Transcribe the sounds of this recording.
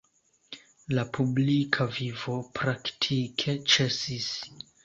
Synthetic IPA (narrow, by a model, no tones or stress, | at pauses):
lapublikʰavivo̞pɾaktʰikʰe̞t͡ʃe̞sis